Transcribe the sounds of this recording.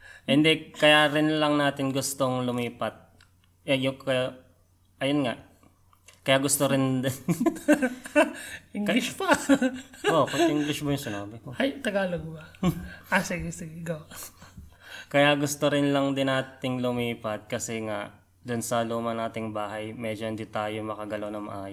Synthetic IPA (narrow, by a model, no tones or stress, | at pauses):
ʔɪnd̪ɛkɐjaːɾɪnlɐŋnaːt̪ɪnɡʊst̪oŋlʊmiːpɐt̪̚ | ʔɛjʊkɐja | ʔɐjonŋaʔ | kɐjaʔɡʊst̪oɾɪnd̪ | ʔɪŋɡlɪʃpa | oʔɐʔɪŋɡlɪʃbɐjʊŋsɪnaːbɪkohajt̪ɐɡaːloɡbɐasiɡɪsiɡɪɡɐw | kɐjaɡʊst̪oɾɪnlɐŋd̪ɪnʔaːt̪ɪŋlʊmiːpɐt̪̚kɐsɛŋaʔ | d̪ʊnsɐluːmɐnaːt̪ɪŋbaːɦɐjmɛd͡ʒoʔɪnd̪it̪aːjomɐkɐɡɐlonɐŋmɐ̰ʔaːj